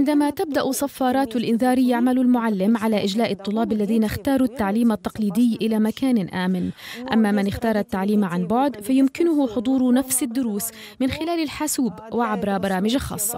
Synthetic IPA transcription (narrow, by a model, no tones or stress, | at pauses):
ʕɪnd̪amat̪ab̚d̪aʔʊsˤafːɑːɾˤɑːt̪alʔɪnðɑːɾjaʕmalʊlmʊʕalːɪmʕalaʔɪd͡ʒlaːʔɨt̪ˤːʊlːɑːbalːaðiːnaxt̪ɑːɾˤut̪ːaʕliːmat̪ːɑqliːd̪ɪjːʔɪlamakaːnʔaːmɪnʔa̰mːamɪnɪxt̪ɑːɾˤat̪ːaʕliːmʕanbʊʕd̪fajʊmkɪnʊhʊħʊd̪ˤuːɾnafsɪd̪ːʊɾuːs | mɪnxɪlaːlɪlħasuːbwɪʕabɾˤɑbɑɾˤɑːmɪd͡ʒaxɑ̰ːsˤːɑ̰